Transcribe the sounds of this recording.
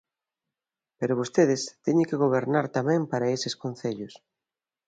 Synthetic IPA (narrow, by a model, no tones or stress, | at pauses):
peɾʊβ̞ost̪eðɪst̪ɛɲɪŋkeɣoβ̞eɾnaɾt̪amɛ̃ŋpaɾɐesɪskonθeʎʊs